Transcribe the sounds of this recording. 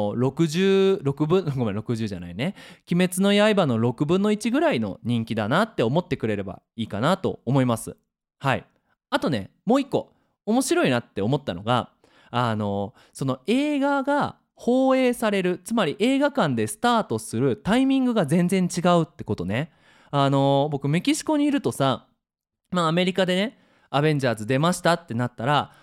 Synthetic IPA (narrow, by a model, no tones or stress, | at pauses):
ɾo̞kɯ̟ʑɨːɾo̞kɯ̟bɯ̟̃okomaɾo̞kɯ̟ʑɨːʑa̰na̰ine̞kʲime̞t͡sɨno̞jaibano̞ɾo̞kɯ̟bɯ̟̃nːo̞it͡ɕiɡɯ̟ɾaino̞̰ɲ̟ĩŋkʲid̪anat̪ːe̞o̞mo̞t̪ːe̞kɯ̟ɾe̞ɾe̞ba̰ | iːkanat̪o̞̰omo̞imasɨ̰ | haḭ | at̪o̞ne̞̰ | mo̞ːikːo̞̰ | omo̞ɕiɾo̞inat̪ːe̞o̞mo̞t̪ːano̞ɡa̰ | ano̞ | so̞no̞e̞ːɡaɡa | ho̞ːe̞ːsaɾe̞ɾɯ̟t͡sɨmaɾʲiʔe̞ːɡakãnd̪e̞sɨ̥t̪aːt̪o̞sɨɾɯ̟t̪aimʲĩŋɡɯ̟ɡazẽ̞nd͡zẽ̞ɲ̟t͡ɕiɡaɯ̟t̪ːe̞ko̞t̪o̞ne̞ | ano̞bo̞kɯ̟me̞kʲiɕi̥ko̞ɲ̟iːɾɯ̟t̪o̞sa | maːme̞ɾʲikad̪e̞ne̞ | aβẽ̞ɲ̟d͡ʑaːzɨd̪e̞maɕi̥t̪at̪ːe̞nat̪ːaɾa